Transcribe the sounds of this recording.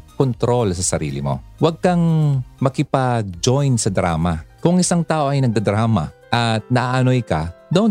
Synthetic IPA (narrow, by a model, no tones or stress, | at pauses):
kont̪ɾo̞lsɐsɐɾḭːlɪ̰mo̞̰wɐɡ̚kɐŋmɐkɪpɐɡ̚d͡ʒojnsɐd̪ɾa̰ːmɐkʊŋʔɪsaŋt̪aːʔo̞ʔɐjnɐɡ̚d̪ɐd̪ɾaːmɐ̰ʔɐt̪̚nɐʔaʔɐnojkɐd̪ɐn